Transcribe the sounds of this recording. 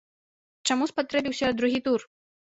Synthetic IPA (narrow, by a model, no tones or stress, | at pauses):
t͡ʂamuspat̪ɾɛbʲiwsʲɐd̪ɾuɣʲit̪ur